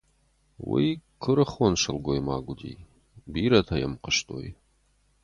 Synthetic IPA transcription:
wijkʰɨɾɨχonʂɨlɡʷojma̰ːɡʷʊdiː | biːɾɐtʰɐjɛmqəʃtʼo̰j

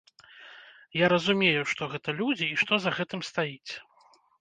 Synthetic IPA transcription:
jaɾɐzumʲejuʂt̪ɔɣɛt̪ɐlʲud͡zʲiːʂt̪ɔzɐɣɛt̪ɨmst̪ajit͡sʲ

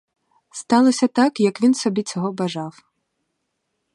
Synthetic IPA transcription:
st̪alˠɐsʲɐt̪akjɐkvʲinsɔbʲit͡sʲaɣɔbaʐaw

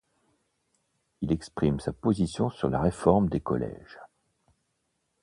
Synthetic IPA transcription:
ilɛkspχimsapozisjɔ̃syʁla̰ʁefɔʁmd̪ekɔ̰lɛ̰ʒ̥

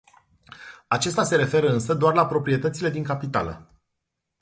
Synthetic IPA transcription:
at͡ʃe̞st̪ase̞ɾe̞fe̞ɾəɨnsəd̪oarlapɾo̞pɾie̞t̪ət̪sile̞d̪iŋkapit̪a̰lə̰

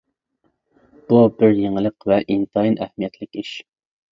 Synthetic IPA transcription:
b̥ubɪɾjeŋlˠəqvɛʔint̪ʰɑjinʔɛhmijɛt̪ʰlɪkʲiʃ

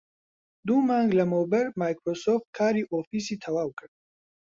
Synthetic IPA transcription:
d̪umaŋɡlɛmɔbɛɾmajkʰɾɔsɔft̪̚kʰaɾiʔɔfisit̪ʰawawkʼɾ

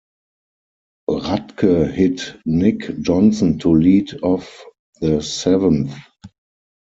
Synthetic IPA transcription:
ʁatkʰə˞hɪtnɪkd͡ʒɔ̃nsɔ̃ntʰuliːdɔf | ðəsɛvə̃nθ

